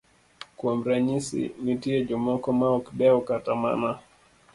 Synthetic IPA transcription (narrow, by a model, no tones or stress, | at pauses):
kwamɾaɲisḭmitiɛd͡ʒɔmɔkɔmaɔkbɛɔkatama̰na